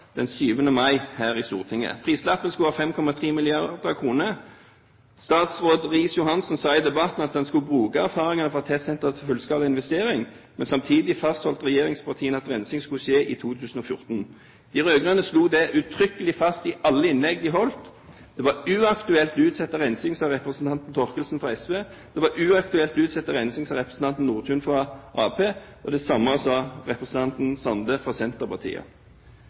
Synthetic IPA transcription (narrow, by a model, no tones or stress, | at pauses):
d̪̥ɛnsyːʋənəmɑɪhæːʁɪst̪ṵːʁt̪ʰɪŋːə̰pʰʁiːslɑpːənskʉɑːfɛmkʰɔmɑt̪ʰʁiːmɪlɪɑʁd̪əɑkʰʁuːnə | st̪ɑːt̪sʁoːd̪ʁiːsjʊhɑnsnsɑːɪd̪ɛbɑt̪n̩ɑt̪̚d̪ɛnskʉbʁʉːkɑæʁfɑːʁɪŋɑnəfɔʁɑt̪ʰɛt̪sɛnt̪əsfʉlskɑːlɪnʋɛst̪eːʁɪŋ | mɛnsɑmt̪ʰiːd̪ɪfɑst̪hɔlt̪ʁɛjeːʁɪŋspʰɑʁt̪ʰiːənɑt̪ʁɛnsɪŋskʉʃeːʔiːt̪ʰuːt̪ʰʉːsn̩ɔfjʊ̰ʁt̪n | d̪̥ɪɾøːɡʁɑnəsluːd̪ɛʔʉt̪ʰɾʏkəlɪfɑst̪ɪʔɑlːəɪnlɛɡd̪ɪɦɔlt̪ | d̪̥ɛʋɑʉːɑkt̪ʉɛlt̪ʉːt̪sɛt̪ːəʁɛnsɪŋsɑːʁɛpʁəsn̩t̪ɑnt̪n̩t̪ʰɔʁkəlsn̩fʁɑɛsʋeː | d̪̥ɛʋɑɾʉːɑkt̪ʉɛlt̪ʉːt̪sɛt̪ːəʁɛnsɪŋsɑʁɛpɾəsn̩t̪ʰɑnt̪n̩nuːʁt̪ʰʉːnfʁɑʔɑːpʰeːʔɔd̪ɛsɑməsɑʁɛpɾəsn̩ʰɑnt̪n̩sɑnd̪əfʁɑsɛnt̪əʁpɑʁt̪ʰḭːə̰